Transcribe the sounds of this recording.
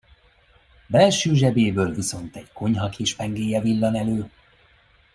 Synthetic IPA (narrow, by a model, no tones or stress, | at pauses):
bɛlʃøːʒɛbeːbøːlviso̞nt̪ɛɟko̞ɲɦɒkeːʃfɛŋɡeːjɛvilːɒnɛløː